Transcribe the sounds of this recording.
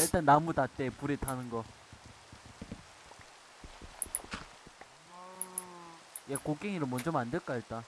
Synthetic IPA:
iɭt͈anːamutat͈epuɾitʰanɯnɡʌ | jekok͈eŋiɾɯɭmwʌnd͡ʑʌmandeɭk͈aiɭt͈a

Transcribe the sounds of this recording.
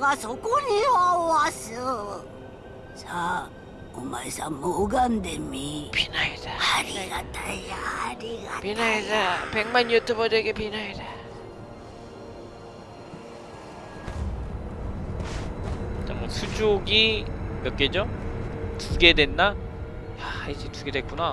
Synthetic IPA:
ɡasokuniwaoasɯ | sʰa | omaisamoɡandemipʰinaidaaɡatʰajaaɾiɡapinaidapeŋmanjutʰubʌdeɡepinaida | t͡ɕ͈amwʌsʰud͡ʑoɡimjʌk͈ed͡ʑo | tuɡe̞dwe̞nːa | jaid͡ʑetuɡe̞dwek͈una

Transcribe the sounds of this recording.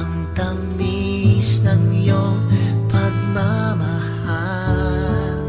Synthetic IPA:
ŋ | t̪ɐŋmi | snɐŋjopɐɡ̚mama | ha

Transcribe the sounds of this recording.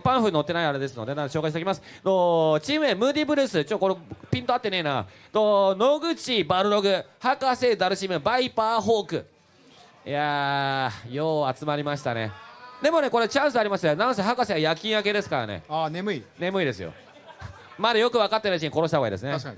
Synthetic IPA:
pãɰ̃ɸɯ̟no̞t̪ːe̞naiaɾe̞d̪e̞s̬ɨno̞d̪enãoɕo̞ːkaiɕ̬t̪ekimasɨ̥ | d̪ot͡ɕiːmɯ̟ẽmɯ̟ːd̪ʲibɯ̟ɾɯ̟ːsɨt͡ɕotːokoɾepʲĩnt̪o̞at̪ːe̞neina | d̪ono̞ɡɯ̟t͡ɕibaɾɯ̟ɾo̞ɡɯ̟hakase̞d̪aɾɯ̟ɕimɯ̟baipaːɦo̞ːkɯ̟ | ja | joːat͡sɨmaɾʲimaɕi̥t̪anḛd̪e̞mo̞ne̞ko̞ɾet͡ɕãɰ̃sɨaɾʲimaɕi̥t̪anãñsehakaseajakʲĩɰ̃ake̞d̪e̞sɨ̥kaɾa̰ne̞̰anemɯ̟ine̞mɯ̟id̪e̞sɨjo̰ | mad̪ajokɯ̟βakat̪ːenait͡ɕiɲikoɾoɕ̬t̪aoaḭd̪esɨne

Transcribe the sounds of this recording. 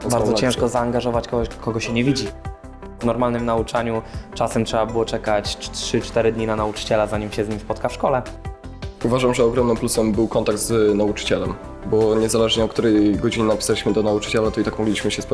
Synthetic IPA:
baɾdzɔt͡ɕɛ̃ʂkɔzaːŋɡaʐɔvat͡ɕkɔɡɔkʰɔɡɔɕɛɲɛvʲid͡ʑi | vnɔɾmalnɘmnaut͡ʂaɲut͡ʂasɛmtʂɛbabɘwɔt͡ʂɛkat͡ɕtʂɘt͡ʂt̪ɛɾɘd̪ɲinanaut͡ʂɘ̥t͡ɕɛlazaɲimɕɛzɲimʲspɔt̪kafʂkɔlɛ | uvaʐamʐɛɔɡɾɔmnɘmplusɛmbɘwkɔnt̪aɡ̚d̪znaut͡ʂɘ̥t͡ɕɛlɛm | bɔɲɛzalɛʐɲɛɔt̪k̚t̪uɾɛjɡɔd͡ʑiɲɛnapʲi̥salʲiɕmɘd̪ɔnaut͡ʂɘ̥t͡ɕɛlat̪ɔit̪akmɔɡlʲiɕmɘɕɛspɔ

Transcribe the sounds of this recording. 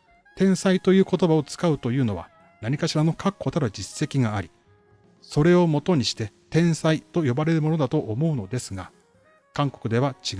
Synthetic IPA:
t̪ẽ̞ɰ̃sait̪o̞jɯ̟ːko̞t̪o̞bao̞t͡sɨ̥kaɯ̟t̪o̞jɯ̟ːno̞βa̰ | naɲ̟ikaɕiɾano̞kʰakʰːo̞t̪aɾɯd͡ʑisːe̞kʲiɡaːɾʲi | so̞ɾe̞o̞mo̞t̪o̞ɲ̟iɕi̥t̪e̞t̪ẽ̞ɰ̃sait̪o̞jo̞baɾe̞ɾɯ̟mo̞no̞d̪at̪o̞ʔːmo̞ɯ̟no̞d̪e̞sɨɡa | kãŋko̞̥kɯ̟d̪e̞βat͡ɕi

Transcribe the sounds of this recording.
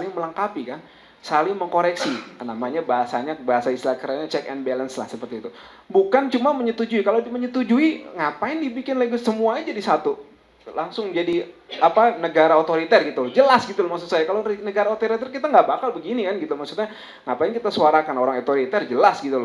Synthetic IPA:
lɪŋməlaŋkapikan | salɪŋməŋkoɾɛksinamaɲabaɦasaɲabaɦasaist̪ilakəɾaɲat͡ʃɛkɛnbɛlənsla̰hsəpərt̪iːt̪u | bukant͡ʃumaməɲət̪ud͡ʒuikalodməɲət̪ud͡ʒuiŋapaɪndibikɪnlaɡusəmuaɲad͡ʒadisat̪u | laŋsʊŋd͡ʒadiapanəɡaɾaot̪oɾit̪ɛrɡit̪ud͡ʒəlasɡit̪ulɔmaksut̪sajakalonəɡaɾaot̪oɾit̪ɛrkit̪aŋɡaʔbakalbəɡinikanɡit̪ulmaksut̪saja | ŋapaɪnkit̪asuaɾakanoɾaŋot̪oɾit̪ɛrd͡ʒəlasɡit̪ulɔ

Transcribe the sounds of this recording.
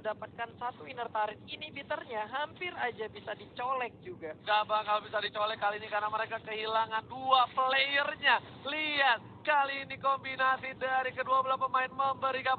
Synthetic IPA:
dapat̪̚kansat̪uinərt̪aɾɪninibit̪ərɲaɦampɪɾad͡ʒabisadit͡ʃolɛk̚d͡ʒuɡaŋabakalobisadit͡ʃolɛkːaliːnikarnaməɾekakəhilaŋanduapəlejərɲa | liat̪̚kaliːnikombinasidaɾikəduabulaspəmaɪnməmbəɾika

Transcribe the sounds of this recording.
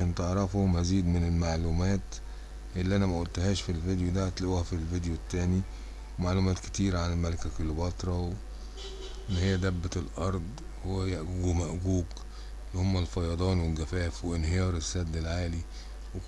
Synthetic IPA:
æːnt̪eʕɾˤɑfomæziːd̪menelmaʕluːmæːt̪ | ʔelːiʔænæmæʔolt̪hæːʃfilvid̪ejod̪æt̪lʔhæfilvid̪jot̪ːæːni | wemaʕlumæːt̪ke̥t̪iːɾæʕanelmælækækolːbɑt̪ˤɾˤɑw | ʔenːhejːæd̪æbːæt̪elʔɑɾˤd̪ˤ | hoæjæʔɡɡumæʔɡuːɡ | elːhomːælfɑjɑd̪ˤɑːnwelɡæfæːfweʔenhejɑːɾˤesːæd̪ːelʕaːli | we

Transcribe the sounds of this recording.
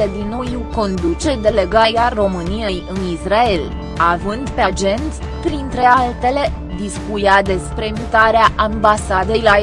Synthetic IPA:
ed̪inːojuwko̞nd̪ut͡ʃe̞d̪e̞le̞ɡajaro̞mɨnije̞jɨnisrae̞l | avɨnd̪pead͡ʒe̞nt̪sʲ | pɾint̪ɾe̞alt̪e̞le̞ | d̪iskujad̪e̞spɾe̞mut̪aɾeaʔambasad̪ejla

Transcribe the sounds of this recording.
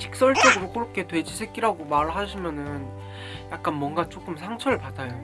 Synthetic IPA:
t͡ɕi̥k̚s͈ʌɭt͡ɕ͈ʌɡɯɾokɯɾʌp̚k͈e̞twe̞d͡ʑisʰe̞k͈iɾaɡomaɾɯɭɦaɕʰimjʌnɯn | jak̚k͈anmwʌnɡat͡ɕ͈ok͈ɯmsʰaŋt͡ɕʰʌɾɯɭpadajo

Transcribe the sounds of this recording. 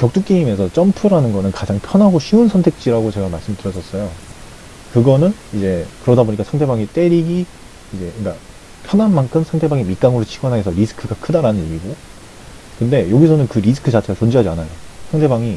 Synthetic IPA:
kjʌk̚t͈uk͈iime̞sʰʌt͡ɕ͈ʌmpʰɯɾanɯnɡʌnɯnkad͡ʑaŋpʰjʌnɦaɡoɕʰiunsʰʌntʰe̞k̚t͡ɕ͈iɾaɡot͡ɕe̞ɡamaɭs͈ɯmtɯɾjʌs͈ʌs͈ʌjo | kɯɡʌnɯnid͡ʑe̞kɯɾʌdaboɲik͈asʰaŋdʰe̞baŋit͈e̞ɾiɡiː | d͡ʑe̞ink͈a | pʰjʌnanmankʰɯmsʰaŋtʰe̞baŋimik͈aŋɯɾot͡ɕʰiɡwʌnɦaesʰʌɾisʰɯ̥kʰɯɡakʰɯdaɾanɯnɲjeɡiɡo | kɯnde̞joɡisʰʌnɯnkɯɾis̬ʰɯ̥kʰɯt͡ɕat͡ɕʰeat͡ɕond͡ʑiɦad͡ʑianajosʰaŋtʰe̞baŋi

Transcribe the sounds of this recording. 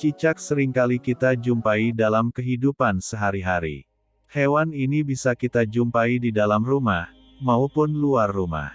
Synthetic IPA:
t͡ʃit͡ʃak̚səɾiŋkalikit̪ad͡ʒumpaidalamkəɦidupansəɦaɾiɦaɾḭ | hewaninibisakit̪ad͡ʒumpaididalamrumah | maupʊnluarːuma̰h

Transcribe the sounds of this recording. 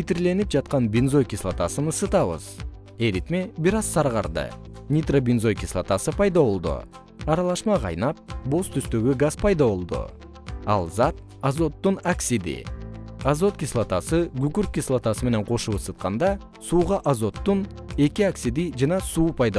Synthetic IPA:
it̪iɾle̞nip̚d͡ʒɑt̪̚qɑnbʲinzojkʲislˠat̪asɯnɯsɯt̪ɑβɯ̰z | e̞ɾit̪mebiɾɑzsɑɾʁɑɾd̪ɯ̰nʲit̪robʲinzo̞jkʲislˠa̰t̪asɯpɑjd̪ɑβo̞lˠd̪ṵ | ɑɾɑlˠɑʃmɑqʰɑ̰jnɑp̚bo̞st̪ʰyst̪ø̞ɡyɡaspʰɑjd̪ɑβo̞lˠd̪ṵ | ɑ̰lˠzɑt̪̚ | azo̞t̪ːunaksʲid̪ḭazo̞t̪kʲislˠat̪asɨɡʉkyɾ̚kʲislˠat̪asɨme̞ne̞ɴqʰo̞ʃuɯsɯt̪̚qɑnd̪ɑ | suːʁɑʔazo̞t̪ːun | e̞kʲiaksʲid̪id͡ʒɑnɑsuːpʰɑjd̪ɑ

